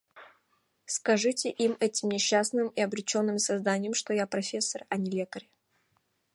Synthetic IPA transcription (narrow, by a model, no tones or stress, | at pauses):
skɐʐɨtʲɪʔimɛtʲɪmnʲɪɕːasnɨmɪɐbɾʲɪt͡ɕo̞nːɨmsɐzd̪anʲɪjəmʂt̪ojapɾɐfʲe̞sːərɐnʲɪlʲe̞kəɾʲɪ